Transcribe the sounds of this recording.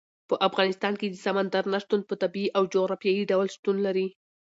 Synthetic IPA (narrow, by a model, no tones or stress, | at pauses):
pəʔafɣɑnɪst̪ɑnked̪əsamand̪aɾnaʃt̪und̪̚pət̪abiiʔawd͡ʒoɣɾɑfjɑjiɖawlʃt̪unlaɾi